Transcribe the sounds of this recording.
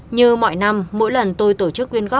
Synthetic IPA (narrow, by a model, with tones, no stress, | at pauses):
ɲɨ˧mɔ̰˧˨jna˧mːo̰˧˥jlə˨˩nt̪o˧jt̪o˧˩t͡ɕɨ˦˥k̚ːwi˧ənɣɔː˦˥p̚